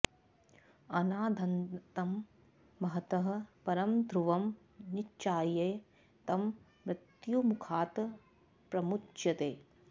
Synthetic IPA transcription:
ɐnaːd̪ʱɐnt̪ɐmː | ɐɦɐt̪ɐɦɐ̆pɐɾɐmd̪ʱɾuʋɐm | nit͡ʃaːjeː | t̪ɐmː | ɾɪt̪jumukʰaːt̪ | pɾɐmut͡ʃjɐt̪eː

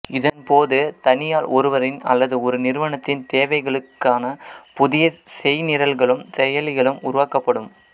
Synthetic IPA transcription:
ɪðɐnpoːðɯt̪ɐnɪjaːlɔɾɯʋɐɾɪnɐ̰lːɐðɯɔɾɯnɪɾɯʋɐɳɐt̪ːɪnt̪eːʋɐɪɣɐɭɯkːaːnɐpʊðɪjɐsɛjnɪɾɐlɣɐɭɯmsɛjɐlɪɣɐɭɯmʊɾʊʋaːkɐpːɐɽɯm

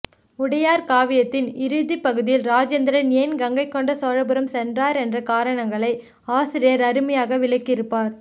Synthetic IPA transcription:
ʊɽɐjaːɾkaːʋɪjɐt̪ːɪnɪɾɯðipːɐɣɯðɪjɪlɾaːd͡ʒend̪ɾɐnjːnɡɐŋɡɐɪkːɔɳɖɐsoːɻɐbɯɾɐmsɛndraːɾɛndrɐkaːɾɐɳɐŋɡɐɭɐɪ | aːsɪɾɪjɐɾɐɾɯmɐjaːɣɐʋɪɭɐɪkːɪɾɯpːaːɾ

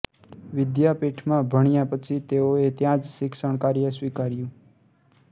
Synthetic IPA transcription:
ʋɪd̪japeʈʰmãbʱəɳ̃ijãpət͡ʃʰit̪eoet̪jãd͡ʒsɪksəɳ̃kaɾjəsʋikaɾjũ

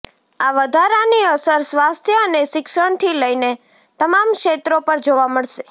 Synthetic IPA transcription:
aʋəd̪ʱaɾaniəsəɾsʋast̪ʰjəəneʃɪkʃəɳt̪ʰiləine | t̪əmamkʃet̪ɾopəɾd͡ʒoʋaməɭʃe

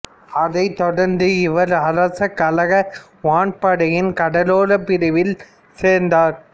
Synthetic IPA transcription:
ɐðɐɪt̪ːɔɽɐɾnd̪ɯɪʋɐɾɐɾɐsɐkːɐlɐɣɐ | ʋaːɳpɐɽɐjɪnkɐɽɐloːɾɐpɪɾɪʋɪl | seːɾnd̪aːɾ

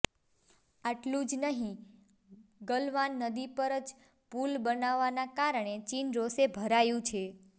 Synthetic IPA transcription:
aʈlũd͡ʒnəɦĩ | ɡəlʋanːəd̪ipəɾəd͡ʒ | pulbənaʋːanakaɾɳet͡ʃinɾosebʱəɾajũt͡ʃʰe

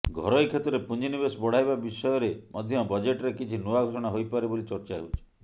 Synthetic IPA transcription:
ɡʱɔɾɔjkʰet̪ɔɾepund͡ʒinibesbɔɽ̤ajbabisɔjɔɾemʔɔd̪ʱjɔbɔd͡ʒeʈɔɾekit͡ʃʰinuaɡʱosɔɽ̃aɦojpaɾebolit͡ʃɔɾt͡ʃaɦḛwt͡ʃʰi̥

